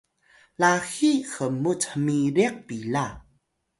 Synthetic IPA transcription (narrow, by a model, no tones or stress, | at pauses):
laxixəmutəmiɾiək̚pila